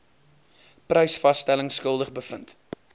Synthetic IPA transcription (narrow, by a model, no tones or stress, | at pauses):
prəjsfɐstæləŋskəlˠdəχbəfənt